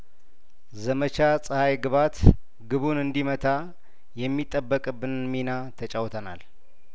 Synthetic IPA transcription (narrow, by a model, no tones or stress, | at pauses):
zəmət͡ʃasʼəhajɡɨβat̪ | ɡɨβunɨnd̪imət̪ʰa | jɛmːit̪ʼːəbːəkʼɨbːɨnminat̪ʰət͡ʃʼawt̪ʰəna̰l